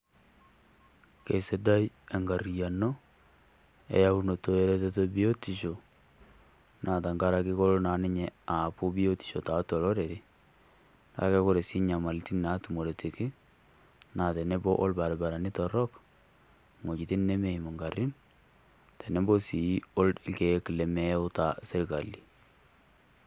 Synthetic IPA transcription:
ke˨se˦da˦j | a˨ŋɡa˨ɾja˨no˦ | ḛ˨˦ja˦u˦no˨to˨e˦ɾe˦te˦to˦bi˦jo˦ti˨ʃo˨ | nʔa˨ta˨ŋɡa˦ɾa˨kɪ˦ko˦lo˦na˨nɪ˦ɲɛ˨a˨pʊ˦bi˦jo˦ti̥˨ʃo˨ta˨tɔ˨lɔ˦ɾe˨ɾi˦ | ta̰˦kɛ˦ko˦ɾe˨si˦ɲa˨ma˨lti˦na˨˦tu˨mo˨ɾe˨ti˨kɪ˦ | na˨te˨ne˦bɔ˦ʔo˦lba˨ɾba˨ɾa˨ni˦tɔ˨ɾɔ˦k | mo˨t͡ʃi˨ti˦nne˦me˨i˨mo˨ŋɡa˨ɾi˦n | tɛ˨ne˦bo˦si˨i˦o˦lɪ˦ke˨ki˨le˨mɛ˦o˦ta˨se˦ɾka˨lːi˨

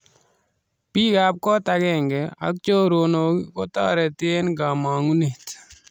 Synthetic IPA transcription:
pi˦ɡa˨p̚kɔ˦t̪aɡɛ˨ŋɡɛ˨a̰˨˦k̚t͡ʃo˦ɾono˨ɡikɔ˦t̪a˦ɾɛ˨t̪ɪe˦nɡa˨ma˨ŋu˦ne˨t̪

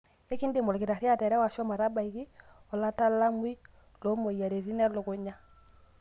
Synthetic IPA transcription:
e˦ki˦ndɪ˨mɔ˨lɡɪ˨ɾa˨ɾɪ˦a˦˨tɛ˨ɾɛ˦wa˨ʃɔ˦ma˨ɾa˦ba˨i˨ɣi˦ɔ˨la˦ta˦la˦mwi˦ | lo˨˦mo˨ja˨ɾe˨ɾi˦nɛ˦lʊ˨ɡʊ˨ɲa˦

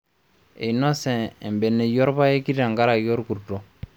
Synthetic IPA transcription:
e˨nɔ˦sɛ̃ː˨mbɛ˨nːe˨jɔ˦ɾba˦e˦ki˦ɾa˨ŋɡa˦ɾa˨jo˦ɾku˨ɾto˨

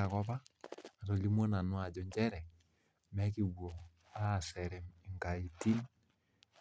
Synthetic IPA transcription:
a˨kɔ˦paː˦˨to˨li˦mo˦na˨nwa˨d͡ʒɔ˨ɲd͡ʒɛ˦ɾɛ˨ | mɛ˦ki˦˨wɔ˨ | a˦˨sɛ˨ɾɛ˨mi˨ŋɡa˨i˨ti˦n

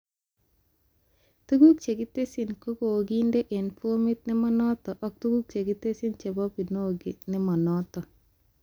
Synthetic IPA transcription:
tu˦ɡu˦k̚t͡ʃe˨ɡɪ˦te˦si˨nko˦ko˨ɡi˦nde˦ʔe˨npu˦o˦mɪ˦t̪̚nɪ˦mɔ˦nɔ˦tɔ˨ʔɔ˦k̚tu˦ɡu˦k̚t͡ʃe˨ɡɪ˦te˦si˦nt͡ʃe˨bɔ˦pi˨no˦˨ɡɪ˨nɪ˦mɔ˨nɔtɔ˨

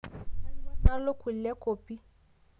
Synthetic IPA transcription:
na˦lʊ˦ku˨llɛ˦kʼoː˨pʼi˦

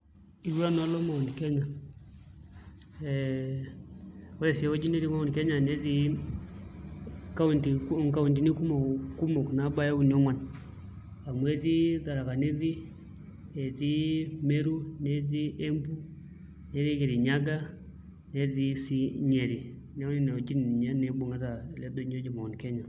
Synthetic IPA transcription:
i˨ɾwa˦na˨˦lɔ˦ma˨u˨n˨kɛ˦ɲa˨ | ɛ | ɔ˦ɾɛ˨sɛ˨˦o˦d͡ʒi˦ne˦ði˦ma˦u˦n˨kɛ˦ɲa˨ne˦ði˦ | ka˦u˨ndi˨˦ŋka˨u˨ndi˨˦ni˦ku˦mo˨ku˦mo˨kna˨˦ba˦ja˦u˦˨ni˦ɔ˦ŋwa˨n | a˨mwe˦ði˦ta˨ɾa˨ka˨ni˦ði˦ | e˨ði˦me˦ɾu˦ne˦ði˦ʔe˦mbu˦ | ne˦ði˦ke˨ɾi˨ɲa˦ɡa˦ | ne˨˦ði˦si˦ɲe˨ɾi˨ | nɛ˨˦ni˦˨nɛ˨o˨d͡ʒi˦n˨ni˨ɲa˦nɛ˨bu˨ŋe˦ta˨lɛ˦do˦ɲ˦o˦d͡ʒi˨ma˨u˨nkɛ˦ɲa˨

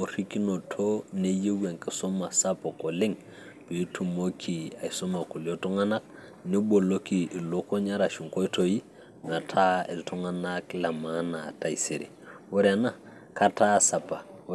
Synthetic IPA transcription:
o˨ɾi˦ki˦no˨tʰo˦ne˦je˦ɡe˨ŋke˨so˦ma˨sa˦po˨ko˨li˦ŋ | b̥i˨˦tʰu˨mo˦kʰi˨a˨iso˦ma˨ku˨lo˦tɔ˦ŋa˦na˦k̚ | ni˦bo˨lo˦ki˨lo˦ko˦ɲa˦ɾa˨ʃu˨ŋko˦i˦to˨ji˦ | na˨tʰa˦i˨ltu˦ŋana˦kla˨ma˦na˨ta˨i˨se˨ɾḭ˨wo˦ɾa˨na˦˨ | ka˦ta˦sa˨pa˨

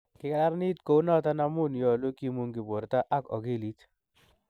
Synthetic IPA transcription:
kɪ˨˦ka˦la˦ɾni˦tko˦u˦nɔ˦ta˦na˦mʊ˦˨njɔ˨lo˦ki˦mu˦ŋɡɪ˨bo˨ɾta˦ʔa˦kɔ̰˨ɡe˦˨li˦t

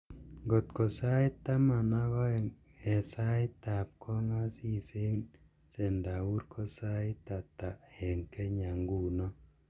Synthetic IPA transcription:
ŋɡo˨tko˨sa˦i˦ta˦ma˨na˦ɣɔ˦ | ɛ˨sa˦ɪ˦ta˨p̚kʰɔ˦ŋa˦si˦se˦n | se˨nda˨u˦ɾkʰo˦sa˦i˦ta˨ta˨ɛ˨ŋke˦ɲa˨ŋɡu˨nɔ˦

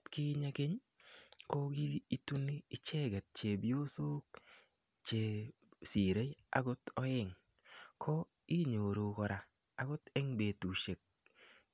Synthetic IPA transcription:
tkɪ˦ɲa˦ke˦ɲ | ko˦ɡi˦i˦tu˦nːi˦ɪ˦t͡ʃɛ˦ɡɛ˨t̚t͡ʃe˨bi˦o˦so˦k̚ | t͡ʃe˨ | si˨ɾe˦a̰˨ɡʊ˦tɔ˦ɪ˦ŋ | kʰɔ˦ | i˦ɲo˨ɾo˨kɔ˨ɾa˨ | a˨ɡʊ˦tɛ˦ŋbe˨tu˨ʃe˨k̚

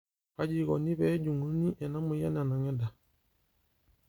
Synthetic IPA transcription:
ka˦d͡ʒi˨ɣɔ̰˨ni˦βɛ˦d͡ʒu˨ŋu˦ni˦ʔɛ˨na˦mu˨jɛ̰˦na˨na˨ŋɛ˦da˨

